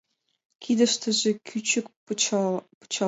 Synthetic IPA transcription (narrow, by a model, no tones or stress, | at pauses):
kʲʰid̪ə̆ʃt̪ə̆ʒĕkʲʰyt͡ɕɘ̆k | pu̥t͡ɕɑ